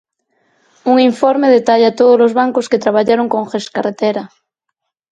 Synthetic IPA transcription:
uŋiɱfoɾmeðet̪aʎat̪oðozlozβaŋkosket̪ɾaβ̞aʎaɾoŋkoŋxeskaret̪eɾa

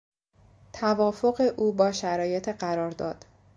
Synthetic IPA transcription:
t̪ʰævɒːfo̞ɣe̞ʔuːbɒːʃæɾɒːje̞t̪ʰeɢæɾɒːɾd̪ɒːd̪̥

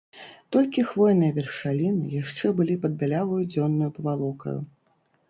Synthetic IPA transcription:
t̪ɔlʲkʲixvɔjnɨjɐvʲɛrʂalʲinɨ̰jaʂt͡ʂɛbɨlʲipɐd̪̚bʲalʲavɐjud͡zʲɔnːujupɐvalˠɔkɐ̰jṵ

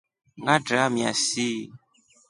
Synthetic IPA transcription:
ŋɡadɾamĩa̰si

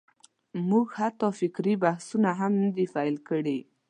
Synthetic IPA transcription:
muɡhat̪ɑfɪkɾibahsunaɦamnəd̪ifalkəɽe

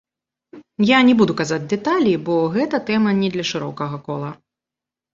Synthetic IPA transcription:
janʲɛbud̪ukazad͡zʲd̪ɛt̪alʲibɔɣɛt̪ɐt̪ɛmɐnʲɛd̪lʲɐʂɨɾɔ̰kɐɣɐkɔlˠɐ

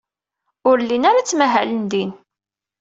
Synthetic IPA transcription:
ʊɾlːinaɾat͡sːmæɦælənd̪in

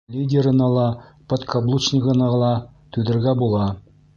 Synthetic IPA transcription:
lʲidʲeɾɤ̆nɑlˠɑpot̪kʰɐblˠut͡ʃnʲɪkɤ̆nɑlˠɑt̪ʉðɘ̆ɾɡæbulˠɑ

